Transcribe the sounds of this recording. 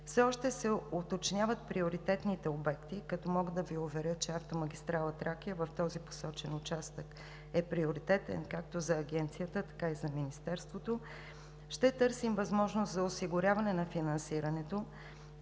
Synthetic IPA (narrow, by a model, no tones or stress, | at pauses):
fsɛɔʃt̪ɛsɛot̪ot͡ʃnʲjavət̪̚pɾioɾit̪ɛt̪nit̪ɛobɛkt̪ikɐt̪ɔmɔɡəd̪ɐviovɛɾʲət͡ʃɛaft̪omɐɡʲist̪ɾalˠət̪ɾakiəvɐft̪ɔzipo̥sɔt͡ʃɛnʊt͡ʃast̪ək | ɛpɾioɾit̪ɛt̪ɛ̰nkakt̪ozɐːɡɛnt̪sijət̪ət̪ɐ̥kaizɐminist̪ɛɾst̪vot̪o | ʃt̪ɛt̪ɤɾsimvɐzmɔʒnost̪zɐosiɡʊɾʲjavɐnɛnɐfinɐnsiɾɐnɛt̪o